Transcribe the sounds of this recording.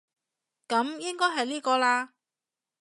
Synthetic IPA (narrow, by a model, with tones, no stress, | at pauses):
kɐ˨˧˥mjɪ˥ŋkɔː˥jɦɐ˨jliː˥kɔː˧laː˧